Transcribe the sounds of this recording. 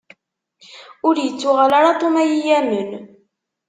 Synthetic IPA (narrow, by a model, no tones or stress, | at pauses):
ʊɾjət͡sːʊʁalaɾat̪ˤomæjijæmən